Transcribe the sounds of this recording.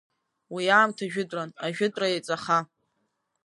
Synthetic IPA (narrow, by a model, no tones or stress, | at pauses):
wijaːmtʰaʒᶣɪdʼranaʒᶣʊtʼrajat͡sʼaχa